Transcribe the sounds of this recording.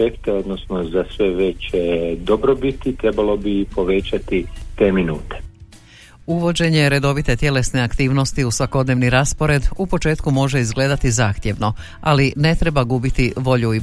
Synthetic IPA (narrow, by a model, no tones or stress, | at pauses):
ekt̪eo̞d̪nosnozasʋeʋet͡ɕd̪obɾobit̪it̪ɾebalo̞bipo̞ʋet͡ɕat̪it̪e̞ːminuːt̪e̥ | uʋo̞d͡ʑe̞ɲe̞ɾe̞d̪o̞ʋit̪e̞t̪je̞le̞sneakt̪iːʋno̞st̪iusʋako̞d̪ne̞ʋniɾaspo̞ɾe̞d̪upo̞t͡ʃe̞ːt̪kumo̞ʒe̞izɡle̞ːd̪at̪izaːxt̪je̞ʋno̞ | aline̞t̪ɾe̞baɡubit̪iʋo̞ʎui